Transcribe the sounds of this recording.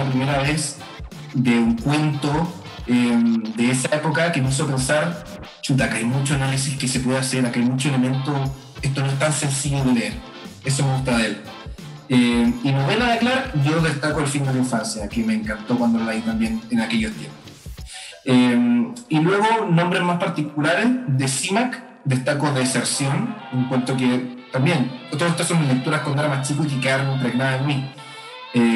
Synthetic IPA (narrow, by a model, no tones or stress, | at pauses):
ap̬ɾimeɾaβes | d̪euŋkwe̞nt̪o | emd̪eesaepo̞kakemeis̬ope̞nsaɾ | t͡ʃut̪̬akajmut͡ʃoanalisihkesepwe̞ðeaseɾakajmut͡ʃoele̞mẽ̞nt̪o | eht̪onoeht̪anse̞nsiʝoðeleeɾ | es̬omeɣuht̪aðel | einoβenaðeklaɾʝoðeht̪akoalfind̪elaiɱfansjakeme̞ːŋkant̪okwand̪olait̪ambje̞nenake̞jost̪jempos | emilwe̞ɣo̞no̞mbɾezmaspaɾt̪ikulaɾezðesimak | d̪est̪akoðeːseɾsjoneŋkwant̪oket̪ambjenot̪oet̪asomːile̞k̚t̪uɾahkond̪aɾamat͡ʃikuik̬ikaɾnimpɾeɣnaðaenmi | e